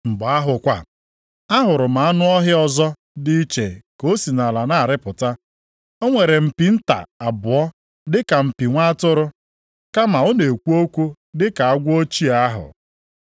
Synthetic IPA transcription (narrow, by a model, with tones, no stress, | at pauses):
m̩˨bɔ˨a˦ɦʊ˨kʷa˨ | a˦ɦʊ˨ɾʊ˨ma˨a˦nʊ˦ɔ˦ɦɪ˦ɔ˨zɔ˦ | di˦i˦t͡ʃe˨ko˦si˨na˨la˨na˦˨ɾɪ˦pʊ˨ta˦ | o˦ŋʷe˨ɾe˨m̩˨pi˨n̩˦ta̰˨a˨bʊ˨ɔ˦ | dɪ˦ka˨m̩˨pi˨ŋʷa˦tʊ˦ɾʊ˦ | ka˦ma˨o˦ne˨kʷu˦o˦kʷu˦ | dɪ˦ka˨a˦ɡʷo˦t͡ʃi˦a˦ɦʊ̰˨